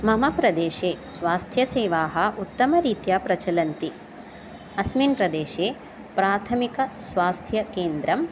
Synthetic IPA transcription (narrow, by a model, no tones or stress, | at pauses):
mɐmɐpɾɐd̪eːʃeːsʋaːst̪ʰjɐseːʋaːɦɐ̆ʔut̪ːɐmɐɾiːt̪jaːpɾɐt͡ʃɐlɐnt̪i | ɐsminpɾɐd̪eːʃeː | pɾaːt̪ʰɐmikɐsʋaːst̪ʰjɐkeːnd̪ɾɐm